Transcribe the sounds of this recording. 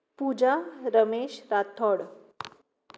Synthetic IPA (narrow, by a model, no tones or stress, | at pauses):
pud͡ʑaɾəmeɕɾat̪ʰɔɽ